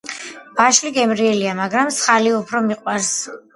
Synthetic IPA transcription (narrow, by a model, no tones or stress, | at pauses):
b̥aʃliɡɛmɾiɛliamaɡɾamt̪sχaliupʰɾɔmiqʼwaɾs